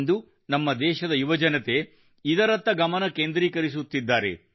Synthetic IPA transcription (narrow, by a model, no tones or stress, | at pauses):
nd̪u | nɐmːɐd̪ɛːʃɐd̪ɐjuʋɐd͡ʒɐnɐt̪e | id̪ɐɾɐt̪ːɐɡɐmɐnɐkeːnd̪ɾiːkɐɾis̬ut̪ːid̪ːaːɾe̞̰